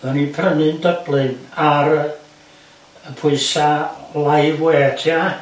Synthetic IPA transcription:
ɔnipʰrənɨndəblɨnaɾ | əpʰʊɨsalajvweːtʰia

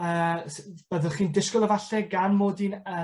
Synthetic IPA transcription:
əːsb̥əðəχiːndɪskɔlˠəvaɬɛɡanmoːdinə

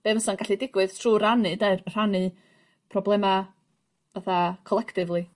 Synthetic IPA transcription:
b̥eməsanɡaɬidɪɡwɨð̥tʰr̥uːranɨdeɨrr̥anɨ | pʰrɔblˠɛma | vaθakʰɔlˠɛkʰtɪvlˠi

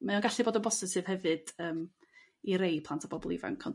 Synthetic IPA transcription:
mɛɔnɡaɬiboːdənbɔsɛ̥sɨːv̥hɛvɨd̥əːm | iɾejpʰlˠantʰabɔbɔlˠḭva̰ŋkʰɔn

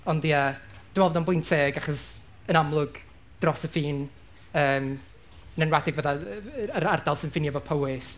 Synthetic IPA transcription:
ɔndiad̥ɪmɛlˠvɔdɔnbʊjntʰeɡaχɔs | ənamlˠʊɡ̥ | d̥rɔsəfiːn | əːm | nɛnwadɪɡvəðaəɾardalˠsɪnfɪnjavɔpʰəwɪs

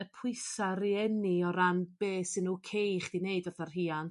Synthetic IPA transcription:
əpʰʊɨsaɾiɛniɔɾanb̥eːsɪnuːkʰejχd̥ineɨdʊrθarɦiːan

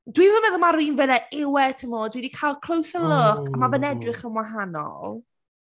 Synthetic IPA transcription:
dwivəmɛðɔmaɾiːnvɛlɛʔɪwɛtʰəmoːdwidikʰajlˠkʰl̥ˠowsəlʊkʰamavənɛdrɪχənwaɦanɔ̰lˠ

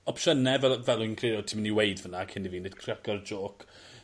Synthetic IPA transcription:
ɔpʃənɛvɛlvɛlˠʊnkʰriɔtʰimniwejdvənakʰɪndiviːnɪd̥kʰraɡɔrd͡ʒoːkʰ

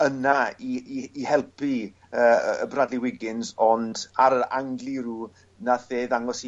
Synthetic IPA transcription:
ənaiiːhɛlˠpʰi | əːəbradliwɪɡɪnzɔndaɾəaŋɡlˠiɾuː | naθeːðaŋɔsi

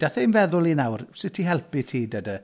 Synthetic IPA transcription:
d̥aθɛnvɛðʊlˠinawrsɪtʰiɦɛlˠpitʰiːdədə

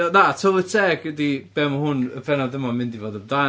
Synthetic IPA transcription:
natʰolˠɪtʰɛɡɡədib̥ɛmahʊnə̰bʰɛnɔdəmɔmɪndivoːdəmda

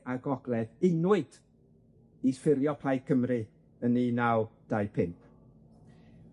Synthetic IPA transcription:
aɡɔɡlˠɛðɪnwɨd̥ | isfɪlˠjɔpʰlajkʰəmrɨ | əninawd̥ajpʰɪmpʰ

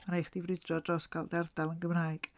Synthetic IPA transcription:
maɾajχd̥ivrɪdrɔdrɔskʰalˠdɛrd̥alˠənɡəmraːɨɡ̥

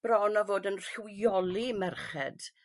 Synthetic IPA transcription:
b̥ɾɔnavoːdənr̥ɪwjɔlˠimɛrχɛd̥

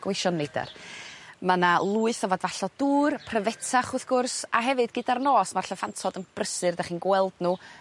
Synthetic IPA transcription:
ɡ̥weʃɔnːeda̰r | mənalˠuːɨθɔvɔdvaɬɔd̥uːrpʰrəvɛtʰaχʊθɡ̥ʊrsa̰ɦɛvɨdɡɪdarnoːsmarɬɔfantʰɔdənb̥rəsɨrdaχiːnɡwɛlˠdnu

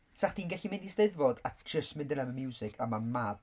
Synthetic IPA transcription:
saχtd̥iːnɡɛɬimɪ̃ndisteðvɔdakd͡ʒ̥əstmɪ̃ndənaməmjuːsɪkʰamamad

